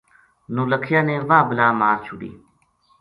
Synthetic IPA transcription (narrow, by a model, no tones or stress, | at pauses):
nuːlɐkʰijaːneːʋaːbəlaːmaːɾt͡ɕʰuɽḭː